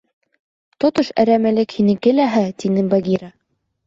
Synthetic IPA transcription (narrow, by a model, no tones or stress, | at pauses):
t̪ot̪oʃæ̰ɾæmælɘkhinɘkɘ̆læɦɘt̪inɘbɑɡʲiɾa